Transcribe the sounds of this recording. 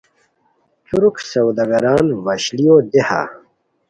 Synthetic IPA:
t͡suɾuksɐwd̪ɐɡɐɾaːnvɐɕlijod̪eha̰

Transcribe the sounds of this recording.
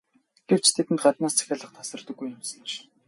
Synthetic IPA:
ɡ̥ewt͡ɕt̪ʰet̪ɘ̆nt̪ɢat̪naːst͡sʰæ̥xʲaːɮə̆χt̪ʰḁsə̆rt̪ə̆ɡːujnʊmsə̥̆nt͡ɕ

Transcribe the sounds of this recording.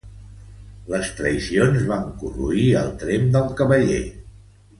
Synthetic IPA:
ləst̪ɾəisionzβaŋkurṵiə̰lˠt̪ɾemd̪əlˠkəβəʎḛ

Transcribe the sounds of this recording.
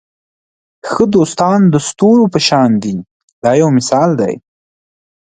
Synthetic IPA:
xəd̪ost̪ɑnd̪əst̪oɾopəʃɑnd̪i | d̪ɑjawmɪsɑld̪a̰j

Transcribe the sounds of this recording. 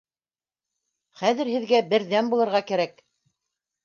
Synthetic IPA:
χæðɘ̆ɾhɘ̆ðɡæbɘ̆ɾðænbulˠɤ̆ɾʁɑkæɾæk

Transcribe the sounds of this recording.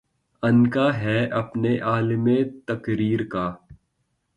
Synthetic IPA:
ɐnkaɦɛːʔɐpneʔaːlɪmẽt̪ɐkɾiːɾkaː

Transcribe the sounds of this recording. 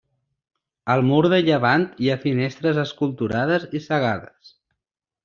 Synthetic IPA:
əlˠmuɾð̞əʎəβ̞ant̪iafinest̪ɾəzəskulˠt̪uɾað̞əzisəɣ̞aðəs

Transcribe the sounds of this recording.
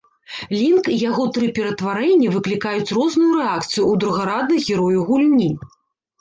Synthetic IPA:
lʲinkijaɣɔt̪ɾɨpʲɛɾɐt̪vaɾɛnʲːɐvɨklʲikajut͡sʲrɔznujuɾɛakt̪sɨjuːd̪ɾuɣaɾad̪̚nɨɣʲɛɾɔjuɣulʲnʲi

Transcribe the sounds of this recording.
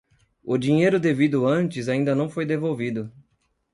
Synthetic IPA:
ʊd͡ʒĩɲejɾʊd̪evid̪ʊɐ̃nt͡ʃɪzaĩnd̪ɐnɐ̃w̃fojd̪evowvid̪ʊ

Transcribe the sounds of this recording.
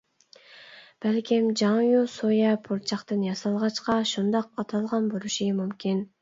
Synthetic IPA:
b̥ælkʲimd͡ʒɑŋjusojɛpʰoɾt͡ʃʰɑqt̪ɨnjɑsɑlˠʁɑt͡ʃqɑʃund̪ɑq̚ɑt̪ʰɑlˠʁɑnboɾuʃimymkʲin

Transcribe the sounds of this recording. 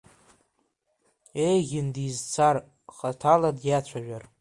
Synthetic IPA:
e̞jɣʲɪndizt͡sʰar | χatʰaladjat͡ɕʷʰaʒᶣar

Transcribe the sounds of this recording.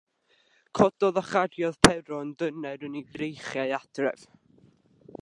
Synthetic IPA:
kʰɔdɔðaχadjɔðpʰɛɾɔndənɛɾəniɡrejχjaɨad̥rɛ̰v̥

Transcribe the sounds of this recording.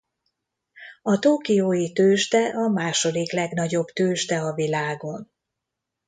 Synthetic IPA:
ɒt̪oːkijoːjit̪øːʃt̪ɛʔɒmaːʃo̞d̪iklɛɡnɒɟo̞bt̪øːʃt̪ɛɒvilaːɡo̞n

